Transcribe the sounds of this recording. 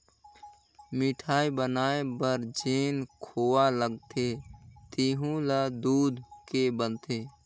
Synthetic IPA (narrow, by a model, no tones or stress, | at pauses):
miʈʰaːibənaːebəɾd͡ʒeːnkʰoaləɡt̪ʰet̪iɦũləd̪uːd̪ʱkebənt̪ʰe